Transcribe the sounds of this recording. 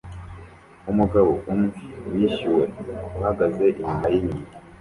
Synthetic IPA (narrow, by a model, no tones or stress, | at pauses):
umuɡaβoʔumŋewiʃiwe̞uhaɡaze̞ʔiɲumajiɲi